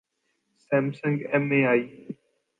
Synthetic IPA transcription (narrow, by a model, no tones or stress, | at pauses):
sɛ̃ːmsə̃ŋɡɛːmẽːaːiː